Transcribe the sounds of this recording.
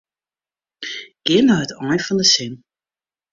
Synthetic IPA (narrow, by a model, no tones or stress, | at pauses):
ɡ̥ɪnəətɔjfɔndəsɪn